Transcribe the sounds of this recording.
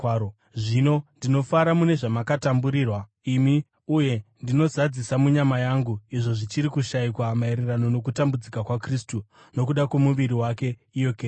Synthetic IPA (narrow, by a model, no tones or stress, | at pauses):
ʐino̞ndino̞faɾamune̞ʐamakatambuɾiːrwa | imi | uje̞ndino̞zad͡zisamuɲamajaŋɡuiʐo̞ʐit͡ʃiɾikuʃaikwamaeɾerano̞no̞k̬utambud͡zikakwakristu | no̞k̬uɗakwemuʋiɾiwake̞ijo̞keː